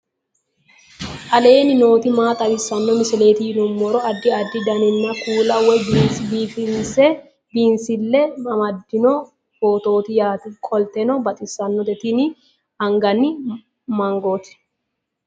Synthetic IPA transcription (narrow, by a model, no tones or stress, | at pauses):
ʔɐle̞ːnɪno̞ːt̪ɪmaːt̪ɐbɪsɐnːɔmɪsɛle̞ːt̪ɪhɪnʊmːɔɾɔɐd̪ːɪɐd̪ːɪd̪ɐnɪnːɐkuːlɐwɛbbiːfɪnsɛ | biːnsɪlːɛmɐmɐd̪ːɪnɔ | boːt̪o̞ːt̪ɪjaːt̪ɪkʼɔlt̪ɛnɔbɐt̪ʼɪsːɐnːɔt̪ɛt̪ɪnɪ | ɐŋɡɐnːɪ | mɐŋɡoːt̪ɪ̥